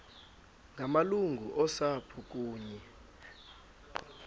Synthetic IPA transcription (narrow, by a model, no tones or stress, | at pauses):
ŋɡʱamaluŋɡʱuʔɔsapʰuk̬ʼuːɲɛ